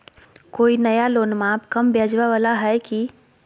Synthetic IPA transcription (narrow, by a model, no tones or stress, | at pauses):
koːinəjaloːnmãpkəmbjad͡ʒʋaʋəlaɦɛki